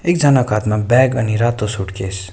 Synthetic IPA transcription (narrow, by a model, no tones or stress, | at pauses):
ek̚d͡zʌnakat̪mabɛɡʌniɾat̪osuʈkes